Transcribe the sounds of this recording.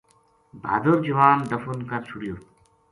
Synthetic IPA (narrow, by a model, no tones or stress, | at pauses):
bʱa̰ːd̪oɾd͡ʑɐʋaːnd̪ɐfunkɐɾsʰuɽijoɾ